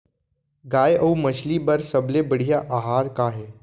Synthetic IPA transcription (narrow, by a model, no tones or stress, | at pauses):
ɡaːjʔɐumɐt͡ʃʰlibɐɾsɐblebɐɽ̤ijaʔaːɦaːɾkaːɦɛː